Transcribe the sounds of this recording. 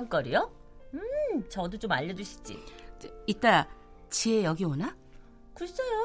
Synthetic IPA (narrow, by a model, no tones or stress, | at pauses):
ŋk͈ʌɾijo | t͡ɕʌdot͡ɕomaʎːʌd͡ʑuɕʰi̥t͡ɕ͈ḭit͈a | t͡ɕiejʌɡiona | kus͈ʌjo